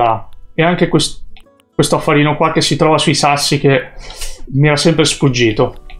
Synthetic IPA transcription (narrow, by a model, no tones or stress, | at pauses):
aɛaŋk̟ekwes | kwest̪oafːaɾiːnokwakːesːit̪ɾɔːvasuisasːik̟e | mːiɛɾasɛmpɾesfud͡ʒːiːt̪o